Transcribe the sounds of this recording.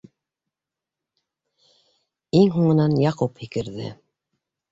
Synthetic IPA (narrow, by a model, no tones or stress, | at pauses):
iŋɦuɴɤ̆nɑnjɑquphikɘ̆ɾðɘ̰